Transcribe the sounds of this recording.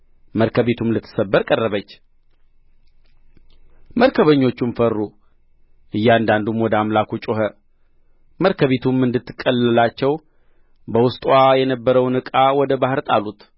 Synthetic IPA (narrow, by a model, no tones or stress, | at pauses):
məɾkʰəβe̞t̪ʰumlɨt̪ʰːɨ̥səbːəɾkʼərːəβət͡ʃː | məɾkʰəβəɲːo̞t͡ʃːumfərːu | ʔɨjːɛand̪and̪umwɔd̪əamlakʰut͡ʃʼoɦə | məɾkʰəβet̪ʰumɨnd̪ɨt̪ːɨ̥kʼːəlːəlat͡ʃːɛw | bəwʊst̪ʼwajɛnəbːəɾəwnɨkʼawɔd̪əbahɨɾt̪ʼalut̪